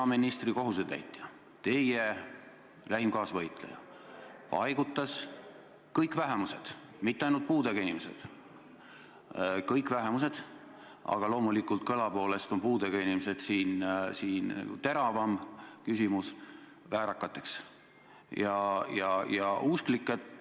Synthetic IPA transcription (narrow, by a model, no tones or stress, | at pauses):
ɑminist̪riko̞ɦused̪næ̰jt̪ːˑjɑ | t̪e̞je | læɦimkɑːsvɤjt̪ˑlḛjɑ̰ | pɑ̰jɡ̥ut̪ˑːɑs | kɤjkːˑvæɦemuse̞d̪̥ | mit̪ˑːeɑjnult̪̚puːd̪eɡɑinimese̞̰d̪̥ | kɤjkvæɦemuse̞d̪̥ | ɑ̰ɡ̥ɑlo̞ːmulikːˑult̪̚kɤlɑpo̞ːle̞st̪o̞npuːd̪eɡ̥ɑinimesed̪̥siːnsiːnt̪e̞ɾɑvɑmkysʲimus | væːɾɑkːˑɑt̪ːˑe̞ks | jɑjɑjɑusklikːˑet̪